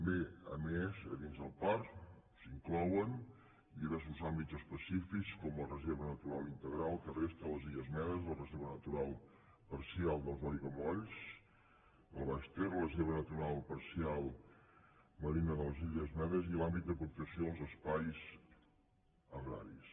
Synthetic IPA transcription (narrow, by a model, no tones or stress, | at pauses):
t̪əmbeə̰mezə̰ðinzðəlˠpaɾsiŋklɔwən | d̪iβɛɾs̬uzambit̪zəspəsifikskɔməlˠrəzeɾβənət̪uɾalˠint̪əɣɾalˠkərest̪ələziʎəzmɛðəzlərəzeɾβənət̪uɾalˠ | pəɾsialˠd̪əlˠzɔɾjɣəmɔʎs | ləβaʃt̪eɾrləzeɾβənət̪uɾalˠpəɾsialˠ | məɾinəðələziʎəzmɛðəzilambit̪̚d̪əpukt̪əsioðəlˠzəspajz | əɣɾa̰ɾis